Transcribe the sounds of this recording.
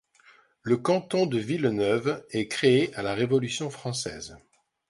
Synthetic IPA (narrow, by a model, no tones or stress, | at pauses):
ləkɑ̃t̪ɔ̃d̪əvilnœvɛkχeeʔalaʁevɔlysjɔ̃fχɑ̃sɛ̰ːz